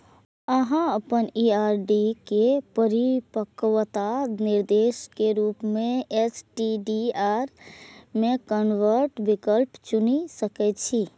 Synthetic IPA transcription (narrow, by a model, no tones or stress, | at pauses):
əɦãəpəniaɾɖikepəɾipəkʋt̪aniɾd̪eskeɾupmeesʈiɖiaɾmekənʋəɾʈbikəlpt͡ʃunisəkɛt̪t͡ʃʰi